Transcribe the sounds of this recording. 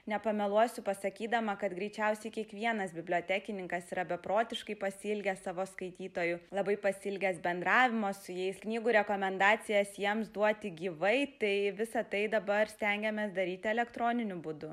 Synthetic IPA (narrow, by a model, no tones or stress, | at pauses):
nʲɛpɐmʲɛlˠuɔsʲʊpɐsɐkʲiːd̪ɐmɐkɐt̪ɡɾʲɛɪt͡ʃʲɛʊsʲɛɪkʲiɛkʋʲiɛnɐsbʲɪbʲlʲoːt̪ʲæːkʲɪnʲɪŋkɐsiːɾɐbʲɛpɾoːt̪ʲɪʃkɐɪpɐsʲɪlʲɡʲɛssɑːʋoːskɐɪt̪ʲiːt̪oːjʊlˠɐbɐɪpɐsʲɪlʲɡʲɛsbʲɛnd̪ɾɑːʋʲɪmoːsʊjɛɪsknʲiːɡuːɾʲɛkoːmʲɛnd̪ɑːt͡s̪ʲɪjɛsjiɛmsd̪uɔt̪ʲɪɡʲiːʋɐɪt̪ɐɪʋʲɪsɐt̪ɐɪd̪ɐbɐrsʲt̪ʲɛŋʲɡʲɛmʲɛːsd̪ɐɾʲiːt̪ʲɪɛlʲɛkt̪ɾoːnʲɪnʲʊbʊd̪ʊ